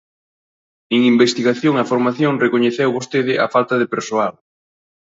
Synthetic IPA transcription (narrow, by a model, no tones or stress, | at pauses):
eŋimbest̪iɣaθjoŋɐfoɾmaθjoŋrekoɲeθewβost̪eðɪʔa̰falt̪ɐðepeɾsoal